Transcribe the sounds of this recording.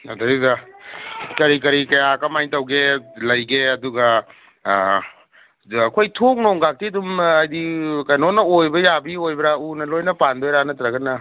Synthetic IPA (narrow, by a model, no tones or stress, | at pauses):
nadɐɾidɐ | kɐɾikɐɾikɐjakɐmajntɐwɡelɐjɡeɐduɡɐ | kʰojtʰok̚noŋɡak̚tidumajdikajnonɐojbɐjabiojbɾaunɐlojnɐpandojɾanɐtɾaɡɐnɐ